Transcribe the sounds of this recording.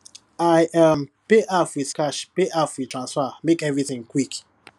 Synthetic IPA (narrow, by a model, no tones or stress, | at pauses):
ajʔampeʔafwiskaʃpeʔafwitɹãnsfamekɛvɹiθɪ̃ŋkwik